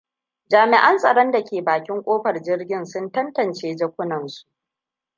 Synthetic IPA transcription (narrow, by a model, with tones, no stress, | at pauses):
d͡ʒaː˨mɪ˨ʔɐ˦nsʼɐ˨ɽɔ˦nda˨kʲeː˨baː˨kʲɪ˦ŋkʷʼoː˦ɸɐ˨rd͡ʒɪ˦rɡʲɪ˦nsʊ˦ntɐ˦ntɐ˨nt͡ʃeː˦d͡ʒɐ˦kʷʊ˦nɐ˨nsu̥˨ʔ